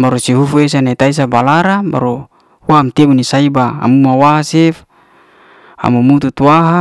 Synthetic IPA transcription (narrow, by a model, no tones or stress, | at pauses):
baɾusiɦufues̬anat̪ais̬abalaɾaba̰ɾu | uamt̪ebunisaiba̰ːmumawaasɛf | a̰mumut̪ut̪uwaɦa